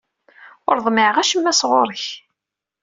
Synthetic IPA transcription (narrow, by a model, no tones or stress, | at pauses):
ʊɾðˤmɪʕəʁæʃəmːæsʁoɾˤəç